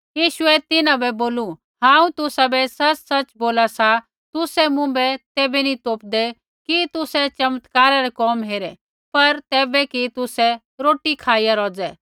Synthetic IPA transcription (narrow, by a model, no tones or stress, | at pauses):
jiːʃʊɛt̪ɪnãbɛboːlu | ɦãːũt̪ʊsabɛsɐt͡ʃsɐt͡ʃboːlasa | t̪ʊsɛmʊ̃bɛt̪ɛːbɛnit̪oːpd̪ɛ | kit̪ʊsɛt͡ʃɐmt̪kaːɾaɾɛkɔːmɦeːɾɛ | pɐɾt̪ɛːbɛkit̪ʊsɛ | ɾoːʈikʰaːijaɾɔːd͡zɛː